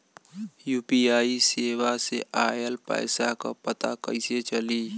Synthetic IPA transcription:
juːpiaːiseːwaseʔaːjəlpə̰ːɪsaka̰pət̪akə̰ɪset͡ʃəliː

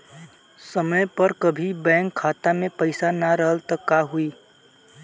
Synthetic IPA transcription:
səməjpəɾkəbʱibɛ̃ːŋkʰːaːt̪amẽpəɪsanaɾəɦəlt̪əkːaɦuiː

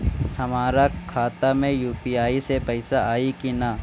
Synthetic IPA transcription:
hɐmaːɾakʰaːt̪amẽjuːpiaːisepɐɪsaʔaːikina

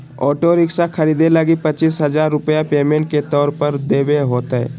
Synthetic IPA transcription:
ɔːʈoɾɪksakʰɐɾiːd̪eləɡipɐt͡ʃiːsɦɐzaːɾːʊpjapeːmẽɳʈ̚ket̪ɔːɾpəɾd̪eːweɦoːt̪aɦɛ̰ː

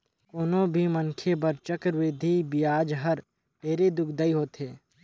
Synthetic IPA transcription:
koːnõbʱiməŋkʰebəɾt͡ʃəkɾweːd̪ʱibɪjaːd͡ʒɦəɾ | ʈeːɾed̪ʊkʰd̪əiɦoːt̪ɦeː

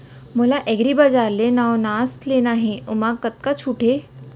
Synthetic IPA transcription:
məlaʔeɡɾibad͡zaɾlenawnast̪lenaɦeumakːət̪̚kat͡ɕʰuʈʰe

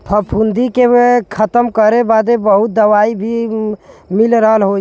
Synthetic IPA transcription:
pʰəpʰund̪ikekʰət̪əmkəɾebad̪ebəɦut̪̚d̪əʋaibʱi | milɾəɦəlɦo

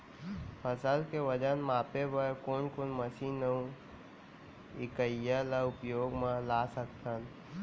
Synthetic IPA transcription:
pʰəsəlkeʋəd͡ʒənmaːpebəkonkonməsinəũ | ɪkəjələʊpjoːɡmãlaːsəkt̪ʰən

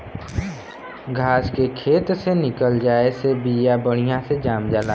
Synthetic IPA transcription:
ɡʱaːskekʰeːt̪senɪkəld͡ʒaːesebijabəɽ̤̃ijãsed͡ʒaːmd͡ʒaːla

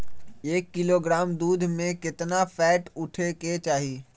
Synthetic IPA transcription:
eːkːɪloːɡɾaːmd̪uːd̪ʱmẽkɪt̪nafɛːʈʊʈʰeket͡ʃaːɦiː

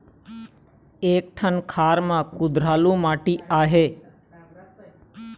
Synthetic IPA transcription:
eːk̚ʈʰənkʰaːɾmãːkʊd̪ɾaːlũːmaːʈiːaːɦeː

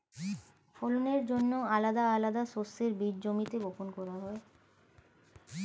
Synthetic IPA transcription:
foloneɾd͡ʑonːoalad̪aalad̪aʃost̪eɾbiɾd͡ʑomit̪eɡoponkɔɾaɦɔe

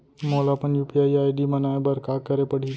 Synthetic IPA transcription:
molapəɳjupiaiajɖimənajbəɾkakəɾepəɽ̤i

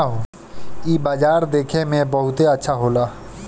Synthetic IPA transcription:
ɦoː | iːbaːd͡ʒaːɾd̪eːkʰemẽbɐɦʊt̪eɐtːʃʰaɦoːlaː

